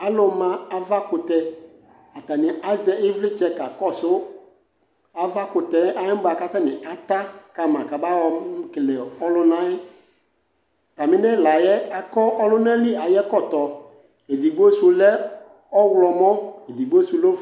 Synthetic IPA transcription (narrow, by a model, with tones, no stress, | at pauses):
a˨˦lʊ˨mã˨a˦va˦kʊ˨tɛ˨ | a˨ta˨nɪ˨ʔa˦zɛ˦ɪ˦vlɪ˦t͡ʃɛ˦ka˨kɔ˦˨sʊ˦ | a˨va˦kʊ˨tɛ˨˦ʔa˦ɪ̃˦ba˨ka˦ta˦nɪ̃˨ʔa˨ta˦ka˨mã˨ka˨ba˦wɔ˨m˦kɪ˨lɛ˨ɔ˦lʊ˦nã˦ɪ˦ | ta˨mɪ̃˦nɛ˦la˨jɛ˦a˨kɔ˦ʔɔ˦lʊ˦nã˦lɪ˦a˨jɛ˦kɔ˦˨tɔ˨ | e˨di˨ɡ͡bo˦su˨lɛ˦ | ɔ˦wlɔ˨mɔ̃˦e˨di˨ɡ͡bo˦su˨lo˦